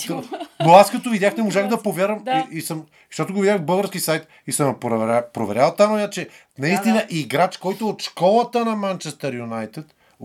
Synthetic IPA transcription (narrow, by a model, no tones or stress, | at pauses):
noaskɐt̪ovid̪ʲjaxnɛmoʒaxd̪ɐpovʲjaɾɐmiisəm | ʃt̪ɔt̪oɡovid̪ʲjaɣvbɤlˠɡəɾsk̟isajt̪ | isəmpɾapɾovɛɾʲjalˠt̪amojat͡ʃɛ | nɐist̪inəʔiɡɾat͡ʃkɔjt̪ʊot̪ʃkɔlˠɐt̪ənɐmant͡ʃɛst̪əɾjunajt̪ɛt̪